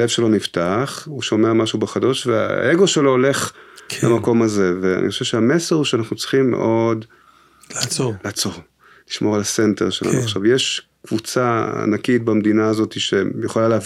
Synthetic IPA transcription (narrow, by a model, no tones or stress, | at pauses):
levʃe̞lo̞niftaχhuʃo̞me̞amaʃubeχado̞ʃvea̰ʔeɡo̞ʃe̞lo̞ːle̞χkla̰mako̞maze̞vea̰nʔḭχoʃevʃeameseʁuʃeanaχnut͡sʁi̥χimːḛʔo̞d | olaːt͡so̞ʁ | liʃmo̞ʁalasente̞ʁʃe̞la̰ṵaχʃavjeʃ | kvut͡saa̰nakit̚bamd̪inaːzo̞t̪iʃe̞jeχolalea